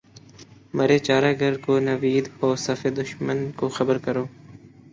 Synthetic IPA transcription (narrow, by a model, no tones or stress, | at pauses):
mɐɾeːt͡ʃaːɾaːɡʱəɾkoːnɐʋiːd̪ɔːɾsɐfed̪ʊʃmənkoxəbəɾkəɾoː